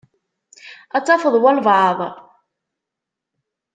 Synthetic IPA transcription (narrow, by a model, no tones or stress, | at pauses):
æt͡sːɑfəðˤwælvʕɑðˤ